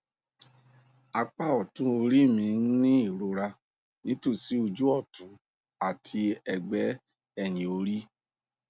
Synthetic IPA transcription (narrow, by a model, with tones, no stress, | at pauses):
a˧k͡pa˦˨ɔ˨tũ˦o˧ɾi˦˨mĩ˧n̩˦nĩ˦i˦˨ɾo˨˧ɾa˧ | nĩ˨˦to˦˨si˨˦o˧d͡ʒu˦ɔ˦˨tũ˨˦ | a˦˨tʰi˧ɛ˧ɡ͡bɛ˦ | ɛ˦˨nĩ˨o˧ɾi˦